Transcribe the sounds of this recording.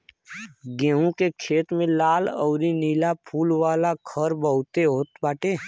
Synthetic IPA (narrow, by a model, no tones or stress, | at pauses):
ɡẽːũkekʰeːt̪mẽlaːlɔ̰ʊɾiniːlapʰuːlwaːlakʰəɾbəɦʊt̪eɦoːt̪baːʈeː